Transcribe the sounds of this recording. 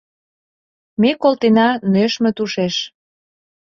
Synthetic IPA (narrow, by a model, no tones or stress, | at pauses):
mekolt̪enɑnøʃmĕt̪uʃeʃ